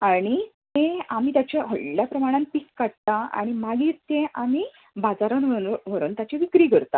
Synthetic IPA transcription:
aɽ̃it̪ẽam̤iːt̪jat͡ɕaəɭljapɾəmaɽ̃anpikkaɽ̚t̪aa̰ɽ̃imaɡiːɾt̪ẽʔamiː | bad͡zaɾənʋəɾuːnt̪jat͡ɕeʋikɾiːɡʱəɾt̪a̰

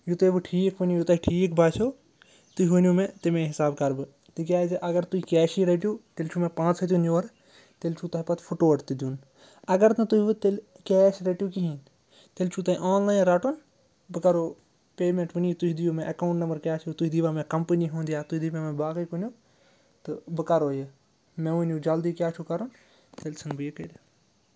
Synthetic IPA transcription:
jut̪ɐbɨʈʰiːkʰʋɐnjũjut̪ɐɦiʈʰiːkbaːt͡ʃʰoː | t̪uʋɐnʲjumẽt̪imẽɦɪsaːbkɐɾbɨ | t̪ikʲjaːd͡ʒɐʔɐɡɐɾt̪uikɛːʃiɾeʈijuːt̪elt͡ʃʰumẽpãːt͡ʃʰɐt̪̬ʲjuːnjoːɾ | t̪elt͡ʃʰut̪ɐɦipɐt̪ʰpʰuʈoːɐʈt̪id̪jun | ɐɡɐɾnɨ̃t̪uɦiʋɨt̪el | kɛːʃɾeʈijukiɦĩn | t̪elt͡ʃʰuːt̪ɐɦiʔaːnlaːinɾaʈun | bɨkɐɾoː | peːmẽɳʈʋɨnjit̪uɦid̪ijumẽʔɐkaũɳʈnɐmbɐɾkʲjaːt͡ʃʰijut̪uid̪iʋaːmẽkɐmpəniːɦõːnd̪ijaːt̪uid̪imẽmẽbaːkɐjkunjuː | t̪ɨbɨkɐɾoːje | mẽʋunjũd͡ʒɐld̪iːkʲjaːt͡ʃʰuːkɐɾun | t̪elsʰɐnbɨjekeɾ

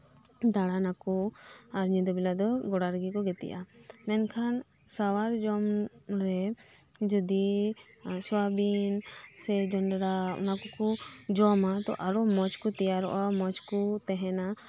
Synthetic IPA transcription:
d̪aɽanakɔaɾɲid̪ɔbilad̪ɔɡɔɽaɾɡikɔɡɛt̪ɛ̰ʔa | mɛnkʰan | sawaɾd͡ʒɔm | ɾɛ | d͡ʒɔd̪i | swabinsɛd͡ʒɔnɖɾaɔ̰nakɔkɔd͡ʒɔmat̪ɔ̰ʔaɾɔmɔt͡ʃkɔt̪ɛjaɾɔ̰ʔamɔt͡ʃkut̪ɛɦɛna

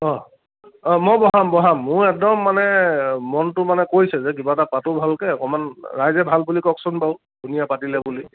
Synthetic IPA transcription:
ɔ̃ | ɔmɔbɔɦambɔɦamːʊɹɛk̚dɔmːanɛmɔntʊmanɛkojsɛzɛk̬ibatapatʊbʱalkɛɔkɔmanɹajzɛbʱalbulikɔksunpaʊ | dʱunijapatilɛbuli

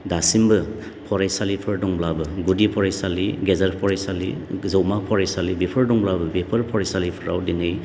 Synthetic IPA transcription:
dasimbɯ | pʰɔɾajsalipʰɯɾdɔŋblabɯɡudipʰɔɾajsaliɡezaɾpʰɔɾajsalḭzawmapʰɔɾajsalibipʰɯɾdɔŋblabɯbipʰɯɾpʰɔɾajsalipʰɯɾa̰wdinɯj

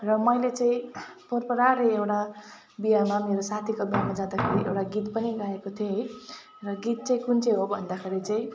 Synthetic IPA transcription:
rʌmʌjlet͡sãĩpʌrpʌɾaɾeewʈa | bijamameɾosat̪ʰikobijamad͡zãd̪akʰeɾiʔḛwʈaɡit̪pʌniɡaekot̪ʰjoɦʌj | rʌɡit̪̚t͡saĩkunt͡seɦobʱʌnd̪akʰeɾit͡saĩ

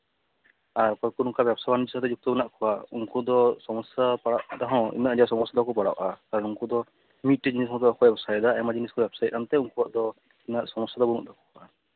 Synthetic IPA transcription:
aɾkɔjkuɾuŋkabjɛbsajbanid͡ʒisat̪ɛd͡ʒuk̚t̪ɔbnaʔkʰɔwauŋkud̪ɔsɔmɔsjapaɽaʔʔad̪aɦɔ̃ḭnaʔd͡ʒawsɔmɔsjad̪akɔpaɽa̰ʔakaɾɔnuŋkud̪ɔ | mit̪̚ʈd͡ʒinisɔ̃t̪ɔakɔbɛbsajd̪aɛmad͡ʒiniskɔbɛbsajt̪̚ˀʔant̪ɛuŋkubaʔd̪ɔ | inaʔsɔmɔsjad̪ɔbunṵʔd̪akɔa

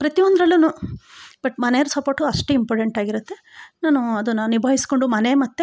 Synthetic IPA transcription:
pɾɐt̪iʋond̪ɐɾɐlːunubɐʈmɐnejɐɾɐsɐpoɾʈuɐʂʈuimpoːɾʈeɳʈaːɡiɾut̪ːe̞naːnuɐd̪unːɐnibʱaːɦisi̥ko̞ɳɖumɐnemɐt̪ːe

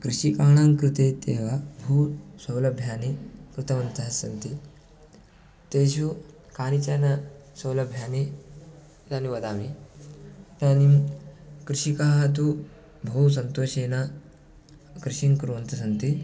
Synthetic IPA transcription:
kɾiɕikaɳãŋkɾit̪et̪eʋabʱusəwləbʱjanekɾɨt̪əʋənt̪əɦəsənt̪i | t̪eɕ̬u | kanit͡ɕanasəwləbʱjane | laniʋɐd̪ami | t̪ani | kɾiɕikaɦat̪̬u | bʱows̬ənt̪oɕena | kɾiɕiŋkɾoʋnt̪əsənt̪i

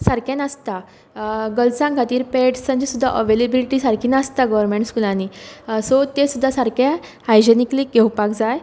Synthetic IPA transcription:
saɾkjanast̪a | ɡəlt͡sãɡʱat̪iːɾpeʈssãɲd͡ʑisud̪ʱːaʔəʋelebiliʈiːsaɾkʰiːnast̪aɡɔʋəɾmẽɳʈskulãnisɔt̪esud̪ʱːasaɾkja | ajd͡ʑenikliːɡewpakd͡zaj

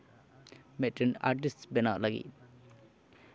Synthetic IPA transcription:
mɛʈəna̰ɾʈisʈsbɛnaʔlaɡḭ

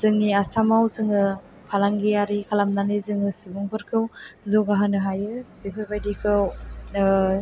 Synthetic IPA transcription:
z̥ɯŋːiasamawzɯŋɯ | pʰalaŋɡijaɾikʰalamnanɯzɯŋɯsibuŋbɯɾkʰɯwzɔɡaɦanɯɦajɯbepʰajbajdikʰɯw

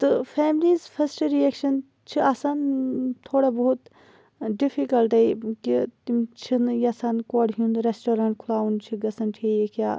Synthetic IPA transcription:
t̪ɨfʰeːmliːzpʰɐsʈɾieːkʃɐn | t͡ʃʰiasant̪ʰoːɽabɐɦut̪ | ɖifʰikɐlʈ̪ɐikit̪imt͡ʃʰinjɐsaːnkoːɽɦũnd̪ɾesʈoːɾãːɳʈkʰulaːunt͡ʃʰiɡɐsɐnʈʰejekʲjaː

